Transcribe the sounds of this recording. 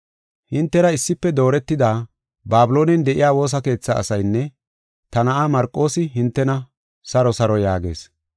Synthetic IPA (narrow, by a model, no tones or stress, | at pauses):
hɪnt̪ːɛɾɐɪsːɪpːɛd̪o̞ːɾɛt̪ːɪd̪aː | baːbɪlo̞ːnɛnd̪ɛʔɪ̰jaːwo̞ːs̬ɐke̞ːt͡sːa̰ːsɐjnːɛ | t̪ɐnɐʔaːmɐɾkʼːo̞ːsɪɦɪnt̪ːɛnɐ | sɐɾɔsɐɾɔjaːɡe̞̰ːs